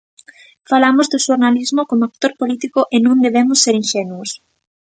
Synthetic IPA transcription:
falamʊzðʊʃoɾnalizmʊkomoak̚t̪oɾpolit̪ikʊʔenõnd̪eβemʊsːeɾinʃɛnuos

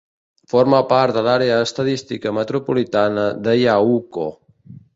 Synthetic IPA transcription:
foɾməpaɾt̪̚d̪əlaɾeəːst̪əðist̪ikəmət̪ɾupulit̪anəðəjauko

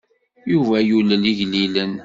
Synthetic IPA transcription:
juvæjuləliʝlilən

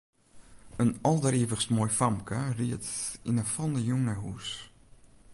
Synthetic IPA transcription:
ənɔlˠdəɾiəvəsmoːjfamkʰəriətinəfɔndəjuŋəɦṵs

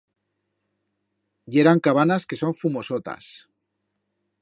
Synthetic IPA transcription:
ʝe̞ɾaŋkaβanaske̞so̞ɱfumo̞so̞t̪a̰s

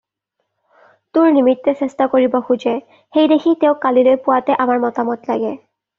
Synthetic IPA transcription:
tʊɹnimitːɛsɛstakoɹibɔxud͡ʒɛ | xejdexʰiteʊkalilojpʊwatɛʔamaɹmɔtamɔtla̰ɡɛ

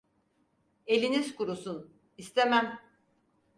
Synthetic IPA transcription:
e̞lʲinizkuɾusun | ist̪ʰemæm

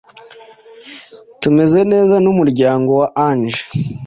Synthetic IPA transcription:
tume̞ze̞ne̞ːzanumuɾɟaːŋɡo̞waʔanʒe̥

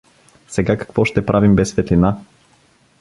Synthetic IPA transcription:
sɛɡakɐ̥kvɔʃt̪ɛpɾʔavimbɛsːvɛt̪lina

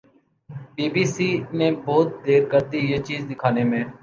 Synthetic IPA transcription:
biːbiːsiːnẽːbɔːt̪̚d̪eːɾkəɾd̪iːjeːt͡ʃiːzd̪ɪkʰaːneːmẽː

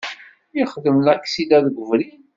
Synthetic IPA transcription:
iχðəmlækːsid̪æðɡʷəvɾi

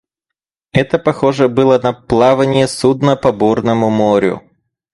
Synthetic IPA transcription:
ɛt̪əpɐxo̞ʐəbɨlˠənɐplˠavənʲɪjəsud̪nəpɐbornəmʊmoɾʲʊ̰

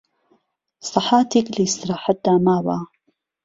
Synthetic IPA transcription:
sˤɑħaːt̪iklist̪ɾaːħat̪̚d̪aːmaːwa̰ː

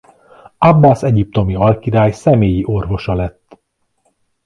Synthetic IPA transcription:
ɒbːaːsɛɟip̚t̪o̞miɒlkiɾaːjsɛmeːjiʔo̞rvo̞ʃɒlɛt̪ː

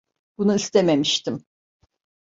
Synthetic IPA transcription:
b̥unuist̪ʰememiʃt̪im

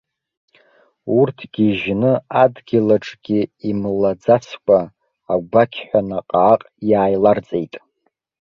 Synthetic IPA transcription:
urtʰɡ̥ʲiʒnɨadɡʲɪlaʈ͡ʂʼɡ̥ʲiimlad͡zat͡sʰkʷʰʼaː | ɡʷakʲʰħʷᶣanaqʼaːqʼjaːjlard͡zʼe̞jtʼ

